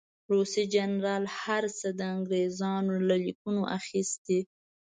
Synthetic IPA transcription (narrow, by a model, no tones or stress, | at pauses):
ɾosid͡ʒanɾɑlhaɾsəd̪əaŋɡɾezɑnolalikunoʔa̰xist̪e